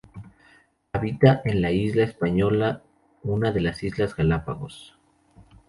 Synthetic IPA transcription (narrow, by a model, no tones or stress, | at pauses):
aβit̪aʔe̞nlaizlaespaɲo̞la | unaðe̞lasizlazɣalapa̰ɣo̞̰s